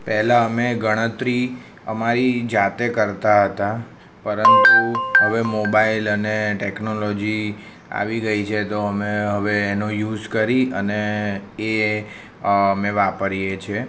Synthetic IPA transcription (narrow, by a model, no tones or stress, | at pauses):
pɛɦlaəmeɡəɽ̃ət̪ɾi | əmaɾid͡ʒat̪ekəɾt̪aɦət̪a | pəɾənt̪uɦəʋemobailəneʈeknolod͡ʒi | a̰ʋiɡəit͡ʃʰet̪oəmeɦəʋeːnojuzkəɾiəneː | əmeʋapəɾijet͡ʃʰe